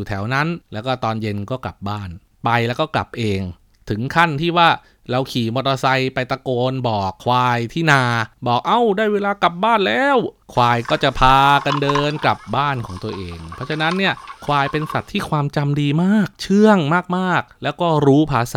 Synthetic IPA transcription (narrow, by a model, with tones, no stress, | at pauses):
uː˨˩t̪ʰɛ˩˦wna˦˥nlɛː˦˥wkɔː˥˩t̪ɔː˧nje˧nkɔː˥˩kla̰˨˩p̚baː˥˩n | pa˧jlɛː˦˥wkɔː˥˩kla̰˨˩p̚ʔeː˧ŋ | t̪ʰɯ˩˦ŋkʰa˥˩nt̪ʰiː˥˩waː˥˩ | ɾa˧wkʰiː˨˩mo˧t̪̚ʔa˧sa˧jpa˧jt̪a˧koː˧nbɔː˨˩kʰːwaː˧jt̪ʰiː˥˩naː˧bɔː˨˩k̚ʔa˧˩wdaː˥˩jweː˧laː˧ka˨˩p̚baː˥˩nlɛː˦˥wkʰwaː˧jkɔː˥˩t͡ɕa˨˩pʰaː˧ka˧ndɤː˧nkla˨˩p̚baː˥˩nkʰɔː˩˦ŋt̪u˧ɐʔeː˧ŋpʰɔ˦˥˩t͡ɕʰa˧na˦˥nːi˥˩ɐkʰwaː˧jpe˧nsa˨˩t̪ʰːiː˥˩kʰwaː˧mt͡ɕa˧mdiː˧maː˥˩k̚t͡ɕʰɯ˥˩əŋmaː˥˩k̚maː˥˩k̚lɛː˦˥wkɔː˥˩ɾuː˦˥pʰaː˧s